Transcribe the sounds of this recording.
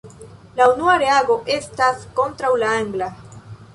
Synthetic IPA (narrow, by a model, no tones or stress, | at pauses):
launuaɾeaɡo̞ʔe̞stasko̞ntɾawlaaŋɡla